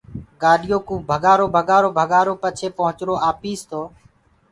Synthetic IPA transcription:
ɡaːɗɪjoːkũːbʱəɡaːɾoːbʱəɠaːɾoːbʱəɡaːɾoːpət͡ʃʰeːpəɦʊt͡ʃɾoːaːpiːst̪ʰoː

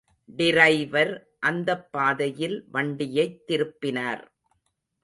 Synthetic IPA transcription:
ɖɪɾɐɪʋɐɾ | ʔɐnd̪ɐpːaːðɐjɪlʋɐɳɖɪjɐɪt̪ːɪɾɯpːɪnaːɾ

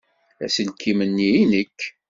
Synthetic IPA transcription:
æ̰səlkːimənːijinəkː

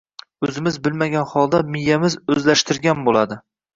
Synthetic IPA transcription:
ɵzɪmɪzbɪlmaɡʲanχɒlˠd̪amɪjːamɪzɵzlaʃt̪ʰɪɾɡʲanbolad̪ɪ

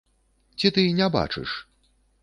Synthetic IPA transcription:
t͡sʲit̪ɨnʲɛba̰t͡ʂɨ̰ʂ

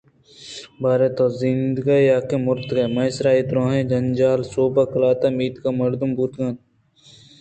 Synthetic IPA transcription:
baːɾet̪oːzind̪ɡajaːkemʊɾt̪kɐmɐsɾaːit̪ɾõːɦẽd͡ʒɐnd͡ʒaːlsoːbakɐlaːt̪amiːt̪kamɐɾd̪umbuːt̪ɡaːn

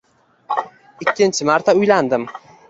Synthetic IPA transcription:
ɪkʲʰːɪnt͡ʃʰɪmaɾt̪ʰaʊjland̪ɪm

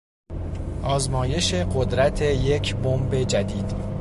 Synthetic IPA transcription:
ʔɒːzmɒːje̞ʃe̞ɢo̞d̪ɾæt̪ʰe̞je̞cʰbombe̞d͡ʒæd̪iːd̪̥

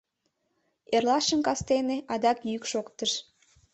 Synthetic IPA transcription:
erlɑʃə̆mkɑst̪eneʔɑd̪ɑkjykʃokt̪əʃ

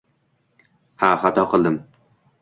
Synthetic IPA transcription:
haχat̪ɒqʰɨlˠd̪ɪm

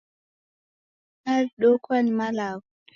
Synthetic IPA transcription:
aɾɗɔkʰwanmalaɡu

